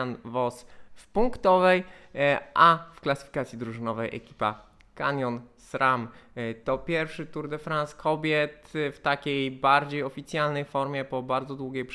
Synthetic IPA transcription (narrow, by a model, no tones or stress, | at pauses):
nvɔsfpuŋkt̪ɔvɛj | ʔafklasɘ̥fʲikat̪sʲjid̪ɾuʐɨnɔvɛjʔɛ̰kʲi̥pa̰ | ka̰ɲʲjɔnsɾamt̪ɔpʲjɛɾfʂɘt̪uɾd̪ɛfɾanskʰɔbʲjɛt̪ft̪akʲejbaɾd͡ʑejɔfʲit̪sʲjalnɛjfɔɾmʲjɛpɔbaɾd̪zɔd̪wuɡʲejpʂ